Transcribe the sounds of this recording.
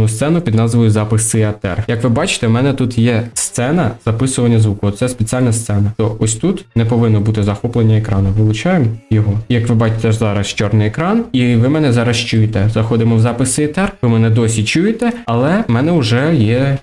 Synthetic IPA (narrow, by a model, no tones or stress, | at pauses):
nust̪sɛnʊpʲid̪nɑzʋɔjʊzɑpɪsɪɐt̪ɛ̰rjɐkʋɪbɑt͡ʃɪ̥t̪ɛmɛnɛt̪ut̪jɛst̪sɛnɐz̥ɐpɪsʊʋɐnʲːɐzʋukɔɔt̪sɛspet͡sʲiɑlʲnɐst̪sɛnɐt̪ɔʔɔsʲt̪ut̪nɛpɔʋɪnːɔbut̪ɪzɐxɔplˠenʲːɐekɾɑnʊʋɪlˠʊt͡ʃɑjemjɔɦɔjɐkʋɪbɑt͡ʃɪ̥t̪ɛzɑɾɐst͡ʃɔrnɪjɛkɾɑniʋɪmɛnɛzɑɾɐst͡ʃujet̪ɛzɐxɔd̪ɪmɔwzɑpɪsɪɐt̪ɛrʋɪmɛnɛd̪ɔsʲit͡ʃujet̪ɛɐlˠɛmɛnɛʊʒɛjɛ